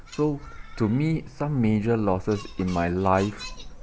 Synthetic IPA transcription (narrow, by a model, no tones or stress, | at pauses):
sotumisãmːed͡ʒəlɔsəsĩnmajlaɪf